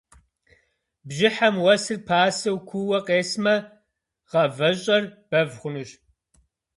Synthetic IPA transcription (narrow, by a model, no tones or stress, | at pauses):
bʒɪħamwɐsɨrpʰaːsɐwkʷʰuwɐqʼeːsmɐ | ʁɐvɐɕʼɐrb̥ɐvχʷʊnɨɕ